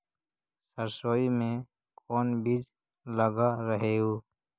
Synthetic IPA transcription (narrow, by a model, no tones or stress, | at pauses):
səɾsoːimẽ | kʰɔːnbiːd͡ʒ | ləɡaɾəɦeɦoː